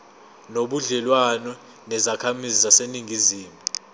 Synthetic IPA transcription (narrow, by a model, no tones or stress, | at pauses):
noɓuɮɛlwanɔ | nɛzakʰamizizaseniŋʱiziːmu